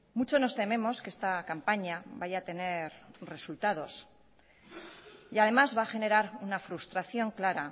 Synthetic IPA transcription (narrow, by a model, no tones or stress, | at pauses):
mut͡ʃo̞no̞st̪e̞mẽ̞mo̞ske̞st̪akampaɲaβaʝaːt̪e̞ne̞ɾre̞sult̪að̞o̞s | iað̞e̞mazβaːxe̞ne̞ɾaɾunafɾust̪ɾaθjo̞ŋklaɾa